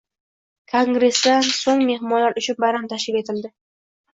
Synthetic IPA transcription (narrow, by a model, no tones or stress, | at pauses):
kʰoŋɡɾe̞sd̪ansoŋme̞ɦmɒnlaɾʔʊt͡ʃʰʊnbaɾamt̪ʰaʃkɪpe̞t̪ʰɪld̪ɪ